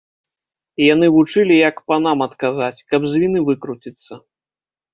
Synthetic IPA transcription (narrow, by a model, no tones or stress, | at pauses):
jan̪ɨvut͡ʂɨlʲijɐkpan̪amɐt̪kazat͡sʲkɐbzʲvʲinɨvɨkɾut͡sʲit̪sːɐ